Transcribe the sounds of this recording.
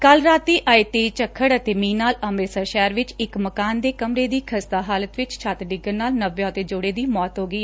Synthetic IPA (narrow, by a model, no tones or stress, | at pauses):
kəlɾaːt̪ːiːʔaːiːt̪eːt͡ʃəkʰːəɽət̪eːmĩːnaːləmɾeːsaːʃɛːɾʋɪt͡ʃɪkməkaːnd̪eːkəmɾeːd̪iːkʰəst̪aːɦaːlət̪ʋɪt͡ʃt͡ʃʰaːt̪ɖɪɡəɾnaːlnəʋːjõːət̪eːd͡ʒʊːɽeːd̪iːmɔːt̪ɦoːɡəiːɛ